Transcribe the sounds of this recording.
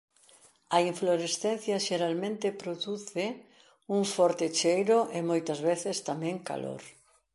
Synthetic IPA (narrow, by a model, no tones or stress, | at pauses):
ɐiɱfloɾesθen̟θjɐʃeɾalmẽnt̪ɪpɾoðuθɪ | uŋfɔɾt̪et͡ʃejɾʊʔɪmojt̪ɐzβeθɪst̪amɛ̃ŋka̰lo̰ɾ